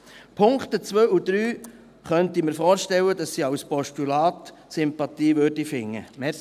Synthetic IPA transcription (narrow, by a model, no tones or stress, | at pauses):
pʰʊŋktət͡sʋøːud̥̪ɾyː | χœntiməɾfɔːɾʃtɛwədɑsːiːawspɔʃtulaːt | sʏmpɑtiːvødifɪŋːə̰mɛ